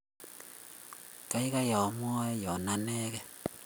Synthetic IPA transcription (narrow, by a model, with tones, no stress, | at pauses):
ka˦i˦ka˦ja˨˦mwɔ˦jɔ˨na˦nɛ˦kɛ˦